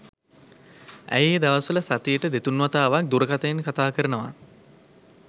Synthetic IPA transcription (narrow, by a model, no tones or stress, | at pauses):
æ̰jjd̪aʋasələsat̪ijəʈəd̪et̪unʋat̪aːʋak̚d̪uɾəkat̪əinkat̪aːkəɾənəʋa̰